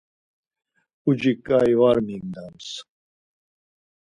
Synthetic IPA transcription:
ud͡ʑikajwaɾmiŋd̪ams

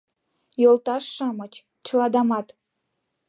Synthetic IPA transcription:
jolˠt̪ɑʃːɑmɤ̆t͡ɕ | t͡ɕɤlˠɑd̪ɑmɑt̪

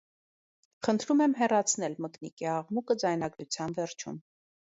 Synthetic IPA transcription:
χənt̪ʰɾumɛmɦɛrɑt͡sʰnɛlməknikiɑʁmukəd͡zɑjnɑɡɾut͡sʰjɑnvɛɾt͡ʃʰṵm

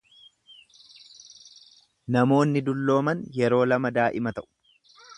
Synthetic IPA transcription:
nɐmo̞ːnːɪd̪ʊlːo̞ːmɐnjɛɾo̞ːlɐmɐd̪aːʔɪmɐt̪ɐʔʊ̥

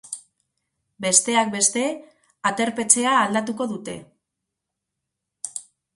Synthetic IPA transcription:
be̞st̪e̞ak̚be̞st̪e̞ | at̪e̞ɾpe̞t͡se̞aːld̪at̪̬uko̞ðut̪e̞̰

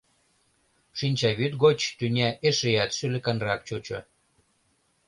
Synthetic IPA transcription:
ʃinʲt͡ɕɑβyt̪ɡot͡ɕt̪ynʲæʔeʃejæt̪ʃylɘ̆kɑnrɑk̚t͡ɕut͡ɕo̰

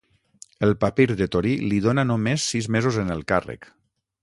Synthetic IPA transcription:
əlˠpapiɾðet̪oɾiliðonanomesːizmezozenəlˠkarḛk

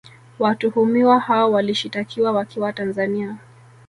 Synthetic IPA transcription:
watuhumiwahaɔwaliʃitakʰiwawakʰiwatanzania

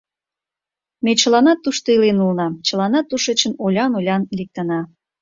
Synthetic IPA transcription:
met͡ɕəlɑnɑt̪ːuʃt̪oilenulnɑmt͡ɕəlɑnɑt̪ːuʃet͡ɕənolʲɑnolʲɑnlik̚t̪ənɑ

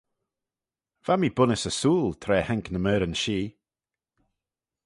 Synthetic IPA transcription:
v̥amiːbʊnəsəsuːlˠt̪ʰɾɛːhɛŋknəmɛːɾənʃiː

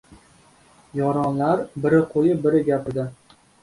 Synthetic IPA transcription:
jɒɾɒnlaɾbɪɾɪqʰojɪbɪɾɪɡʲapɪɾd̪ɪ

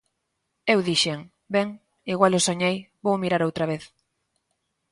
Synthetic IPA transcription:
ewðiʃeŋ | bɛŋ | iɣwalosoɲejbowmiɾaɾowt̪ɾaβ̞eθ

